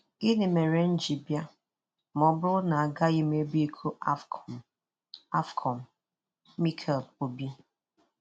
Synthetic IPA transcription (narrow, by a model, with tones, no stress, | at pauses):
i˦ne˨me˨ɾe˦n̩˦d͡ʒi˨bja˦ | mɔ˨bʊ˦na˨a˨ɡa˦i˦me˦bi˦kʰu˦ʔa˦ | a˦fkʰɔ˨m̩˨ | mi˦kʰɛ˨ldo˨bi˦